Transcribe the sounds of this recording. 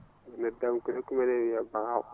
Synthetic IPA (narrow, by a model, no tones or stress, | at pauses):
anadamkudakumanewijabaa